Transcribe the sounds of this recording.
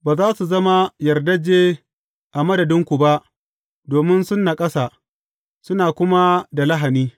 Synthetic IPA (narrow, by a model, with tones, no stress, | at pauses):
baː˨zaː˦su˨zɐ˦ma˦jɐ˨rdɐ˦d͡ʒeː˦ | ʔa˨mɐ˦dɐ˨dɪ˦ŋkʷu˨ba˦ʔ | doː˨mɪ˦nsʊ˦nːa˨kʼɐ˦sa˨ | sʊ˦naː˨kʷʊ˦ma˦da˨lɐ˦ɦa˨niː˦